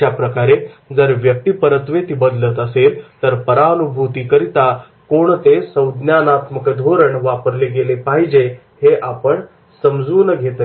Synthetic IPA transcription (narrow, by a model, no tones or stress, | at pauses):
apɾəkaɾed͡zəɾʋjək̚t̪ipəɾət̪ʋet̪ibəd̪lət̪əselt̪əɾpəɾaənubʱut̪ikəɾit̪a | koɳt̪esəwd̪njanat̪məkəd̪ʱoɾəɳʋapəɾleɡelepaɦid͡ʑe | heʔapəɳ | səmd͡zuːnəɡʱet̪